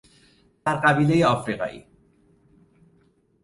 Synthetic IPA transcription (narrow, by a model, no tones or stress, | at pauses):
t̪aɾqabilejɔfɾiqa̰j̰